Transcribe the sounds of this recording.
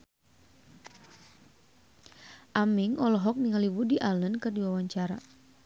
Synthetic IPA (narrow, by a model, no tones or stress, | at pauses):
ʔamɪŋɔlɔɦɔk̚niŋaliwudiʔalənkɨrdiwawaɲt͡ʃaɾa